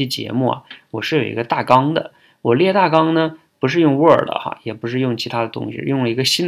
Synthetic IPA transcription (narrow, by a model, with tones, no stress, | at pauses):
ɛ˥t͡ɕjɛ̰˧˥mu˥˩ɐ̰˩wɔ˨˩ʂɻ̩˥˩jo˨˩ḭ˧˥ɡə˧t̪a˥˩kɑ˥ŋd̪ə̰˨ | wɔ˨˩ljɛ˥˧t̪a˥˩kɑ˥ŋnə˧ | pu˧˥ʂɻ̩˥˧jʊ˥˧ŋwə̰˞˨˩d̪ə̰˦xa̰˦jɛ˨˩pu˧˥ʂ̬ɻ̩˥˧jʊ˥˩ŋt͡ɕʰi˧˥t̪ʰa˥d̪ə˨t̪ʊ̰˥ŋɕḭ˩jʊ˥˩ŋlə˩i˧˥ɡə˧ɕi˥n